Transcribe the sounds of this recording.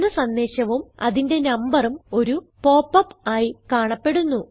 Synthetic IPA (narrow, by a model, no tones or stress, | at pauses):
nɐsɐnd̪e̞ːɕɐʋumɐ̰ðinde̞nɐmbɐrumo̞ɾupo̞ːpːɐpːaːjikaːɳɐpːe̞ɽunːu